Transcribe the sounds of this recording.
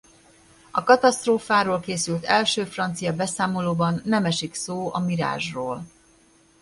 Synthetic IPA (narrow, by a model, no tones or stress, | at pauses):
ɒkɒt̪ɒst̪roːfaːɾoːlkeːsylt̪ɛlʃøːfrɒnt̪sijɒbɛsaːmo̞loːbɒnːɛmɛʃiksoːɒmiɾa̰ːʒroːl